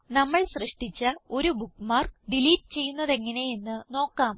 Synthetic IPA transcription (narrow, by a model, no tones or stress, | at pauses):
nɐmːɐɭsrɨʂʈit͡ɕːɐo̞ɾubukːmaːrkɖiliːʈːɨt͡ɕe̞jːunːɐðe̞ŋːɐne̞je̞nːɨno̞ːkːaːm